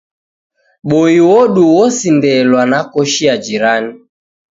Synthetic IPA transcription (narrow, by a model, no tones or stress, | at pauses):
ɓoiwɔɗuwɔsindɛlwanakɔʃiad͡ʒiɾani